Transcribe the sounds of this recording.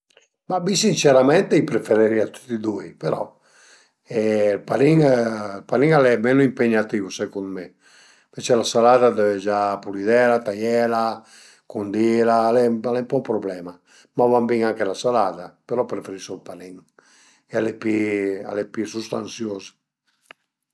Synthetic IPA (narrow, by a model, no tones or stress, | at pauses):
mabisint͡ʃeɾamɛnt̪eipɾefeɾeɾiat̪u̥t̪ːid̪uipeɾɔ̰ | ɛlpaɾiŋlpaɾiŋalɛmenoimpeɲat̪iːvusɛkunme | vet͡ʃɛlasalaːd̪ad̪ɛved͡ʒapulid̪ɛlat̪ajɛla | kund̪iːlalɛalɛmpɔupɾɔblɛːma | mavambiŋaŋkelasalaːd̪apeɾɔpɾefeɾisolpaɾiŋ | ɛalepia̰lɛpisust̪ansjoːze̥